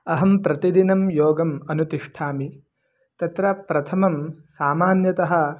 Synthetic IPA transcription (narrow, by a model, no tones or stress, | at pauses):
ɐɦɐmpɾɐt̪id̪inɐmjoːɡɐmɐnut̪iʂʈʰaːmi | t̪ɐt̪ɾɐpɾɐt̪ʰɐmɐmsaːmaːnjɐt̪ɐɦɐ̆